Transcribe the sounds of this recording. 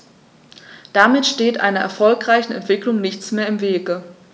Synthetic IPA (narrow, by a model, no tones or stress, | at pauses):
d̥amɪtʃteːtʔa̰ɪnɐʔɛ̰ɐfɔlkʁ̥aɪçn̩ɛ̰ntv̥ɪklʊŋnɪçt͡smeːɐɪmveːɡə